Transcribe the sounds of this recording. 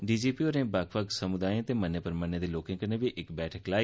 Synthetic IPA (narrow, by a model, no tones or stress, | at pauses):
ɖiːd͡ʒiːpiːoːɾẽːbəkʰʋəksəmʊd̪aːjẽt̪eːmənːeːpəɾmənːeːd̪eːloːkɪ̃ŋkəɾneːbiːʔɪkbɛːʈʰəklaːi